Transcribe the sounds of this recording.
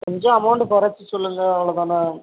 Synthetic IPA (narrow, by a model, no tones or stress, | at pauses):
kɔɲd͡ʒõɐmɐʊɳɖpɐɾɐt͡ʃːɯsɔlːɯŋɡɐːʋɐɭɐðaːnɐ